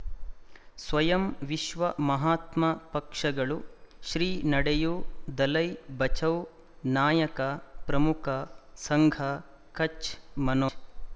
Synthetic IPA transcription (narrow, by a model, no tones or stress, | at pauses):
sʋɐjɐmʋiʃʋɐmɐɦaːt̪mɐpɐkʂɐɡɐɭuʃɾiːnɐɽejud̪ɐlɐjbɐt͡ʃɐw | naːjɐkɐpɾɐmukʰɐsɐŋɡʱɐ | kɐt͡ʃmɐno